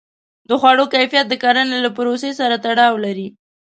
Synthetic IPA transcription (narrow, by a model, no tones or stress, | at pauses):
d̪əxwaɽokajfijat̪̚d̪əkaɾanelapʊɾosesaɾat̪aɽɑwlaɾi